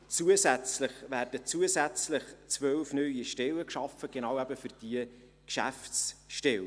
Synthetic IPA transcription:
t͡suəzæt͡sləχvæːrdət͡suəsæt͡sləχt͡svœlfnœɥiʃtɛləkʃɑfəɡ̥enɑwæbəfʏrd̥iə | kʃæ̰fsʃtɛw

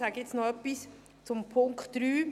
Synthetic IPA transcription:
saɡ̥əɪt͡snɔœpːis | t͡sʊmpʰʊŋktd̥ɾyː

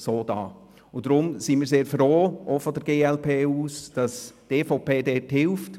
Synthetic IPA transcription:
soːdɑ̰ː | ʊd̥ɾʊmsinmiːɾseːɾfɾoːʔofɔdəɾɡ̥eːɛlpʰeːuːsd̥ɑsteːfoʊpeːdɛːthɪlft

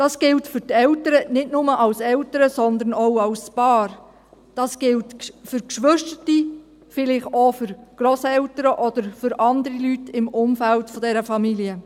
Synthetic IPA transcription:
d̥ɑːsɡ̥ɪltfʏɾtɛltəɾənɪtnʊməʔɑwsɛltəɾəsɔnd̪ənoʊɑwspɑːɾ | d̥ɑːsɡ̥ɪltfʏɾkʃʋʏʃtəti | fɪlɪχofʏɾɡ̥ɾɔsɛwtəɾəʔɔd̥̪əɾfʏɾʔɑnd̪əɾilytɪmʔʊmfæltfɔdɛɾəfɑmiliə

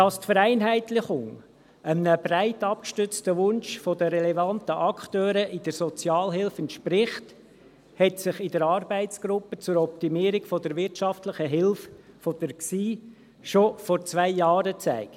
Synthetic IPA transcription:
d̥ɑstfəɾæɪnɦæɪtlɪχʊŋ | əmənəb̥ɾæɪtɑp̚kʃtʏt͡stəʋʊnʃfɔdəɾɛlɛvɑntəʔɑkχtøːɾəʔid̥əɾsɔt͡sjɑːlɦɪlfəntʃpɾɪχt | hɛtsɪχɪdəɾɑːɾbæɪtt͡sɡ̥ɾʊpːət͡sʊɾɔptimiːəɾikfɔd̥əɾʋɪrtʃɑftləχəɦɪlf | fɔd̥̪əɾsiː | ʃofɔɾt͡sʋæɪjɑːɾət͡sæ̰ɪkt

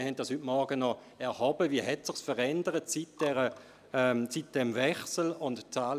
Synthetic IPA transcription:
hɛnt̚d̥ɑshytmɔɐɡ̥ənɔ | ɛʁhɔbəviəɦɛtsɪχsfəʁɛndəʁətsit̚d̥ɛʁə | sit̚d̥ɛmvɛχsl̩ʊntt͡saːl

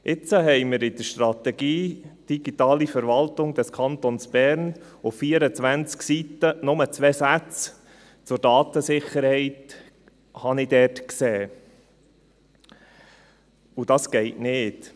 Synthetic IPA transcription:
ʔɪt͡səɦɛɪməɾɪd̪̥əʃt̪rɑt̪ɛɡ̥iːd̥iɡ̥itɑːlifəɾʋɑltʊŋd̥ɛskʰɑnt̪onsb̥ɛɾnʊfːiːəɾət͡sʋænt͡sksitənʊmət͡sʋɛːsæt͡s | t͡sʊɾdɑːt̪əsɪχəɾhɛɪt | hɑnɪd̥ɛrtksɛː | ud̥ɑsɡ̥ɛɪtnɪːt

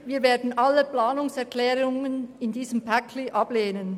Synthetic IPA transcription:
viːɐveːɐdn̩ʔɑləplaːnʊŋsɛʁklɛːʁʊŋənɪndiːzəmpʰækʰliʔɑbleːnən

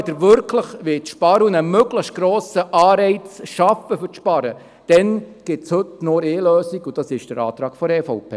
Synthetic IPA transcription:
dəɾʋʏɾkʰləχʋɪtʃpɑɾunəmøɡləχ̚ɡ̥ɾoːsəʔɑːɾɛɪt͡sʃɑfəfʏʃpɑɾə | d̥ɛnɡ̥ɪtshɵtnoɾeːløːsiɡʊd̥ɑsɪʃd̥əɾɑ̰ːt̪ɾɑːɡ̥fɔɾɛfɔʊpʰḛː

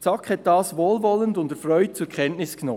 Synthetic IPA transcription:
t͡sɑkhɛt̚d̥ɑːsʋoːlvɔləndʊndəfɾœʏt̚t͡suːɾkʰɛntnɪsknɔ

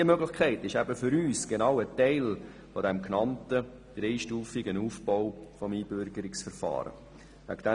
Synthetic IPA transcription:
iəmøɡlɪχkʰɛɪtɪʃæbəfʏɾyːsɡ̥enɑʊətɛɪl | fodɛmknɑntə | d̥ɾeɪʃtuːfɪɡənuːfb̥ɔʊfɔmiːb̥ʏɾɡəɾɪksfəɾfɑ̰ːɾə̰ | væ̰ɡd̥ɛ

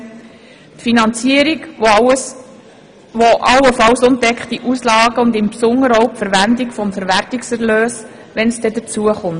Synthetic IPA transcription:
tfinɑnt͡siəɾiɡ | ʋoʔɑwəfɑlsʊntdɛkχtiʔuslɑːɡəʊnd̪ɪmpsʊŋːəɾɔʊpfəɾʋændikfɔmfəɾʋærtiksɛɾløːs | ʋɛnsd̥ɛd̪ət͡suəχʊmt

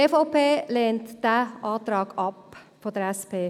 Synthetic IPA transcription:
efɔpeːlɛːntd̥æʔɑːt̪ɾɑːɡ̥ɑp | fod̥əɾɛspʰeː

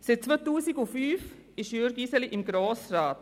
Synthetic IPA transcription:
sɪt̚t͡svotuːsiɡufyːf | ɪʃjøːɾɡisəliʔɪmɡɾoːsrɑːt

